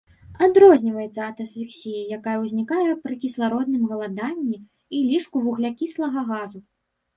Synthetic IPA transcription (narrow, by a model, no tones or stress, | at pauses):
ad̪ɾɔzʲnʲivɐjɛt̪sɐɐt̪ɐslʲiksʲijijakajɐwzʲnʲikajɛpɾɨkʲislˠaɾɔd̪nɨmɣɐlˠad̪anʲːi | ilʲiʂkuvuɣlʲakʲislˠɐɣɐɣazu